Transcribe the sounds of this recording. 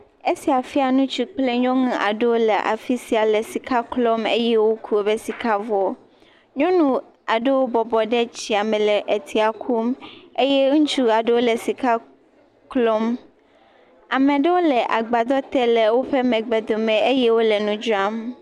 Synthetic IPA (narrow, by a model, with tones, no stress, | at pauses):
e˦si˨a˨fi˦a˨nũ˦t͡ʃi˦k͡ple˦ɲɔ̃˦ŋũ˦ʔa̰˨ɖe˦wo˦le˨ʔa̰˨fi˦si˨a˨lɛ˨si˨ka˦klɔ˦mḛ˦jɛ˦wo˦kʰu˦e˨be˦si˨ka˦vɔ˦ | ɲɔ̃˦nũ˦ | a˨ɖe˦wo˦bɔ˨bɔ˨ɖɛ˦t͡ɕi˨a˨mɛ̃˨lɛ˨ʔe˨t̪ʰi˨a˨kʰu˦me˦je˦ŋ̩̃˦t͡ʃu˦a˨ɖe˦wo˦le˨si˨ka˦ | klɔ˦m | a˨mẽ˨ɖɛ˦wo˦lɛ˨ʔa˨ɡ͡ba˨d̪ɔ˦t̪ɛ˦lɛ˨wo˦ɸɛ˦mɛ̃˨ɡ͡bɛ˨d̪o˨mɛ̃˨e˦jɛ˦wo˦le˨nũ˦d͡ʒu˦a˦m